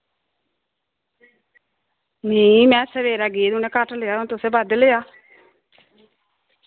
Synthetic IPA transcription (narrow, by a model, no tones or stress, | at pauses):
nĩmɛ̃ːsəʋeːɾaːɡeːd̪ʊneːkaʈleaːont̪ʊseːbəd̪leaː